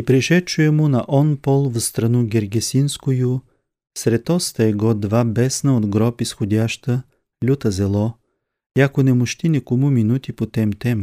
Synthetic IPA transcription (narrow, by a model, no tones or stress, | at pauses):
ipɾɛʃɛt͡ʃʊɛmʊnɐʔɔnpɔlˠvst̪ɾɐnuɡʲɛɾɡʲɛsinskʊjʊ | sɾɛt̪ɔst̪əɛɡɔd̪vabɛsnəod̪ɡɾɔpisxod̪ʲaʃt̪ə | lʲut̪əzɛlˠɔ | jakonɛmʊʃt̪inɛkomuminut̪ipot̪ɛmt̪ɛm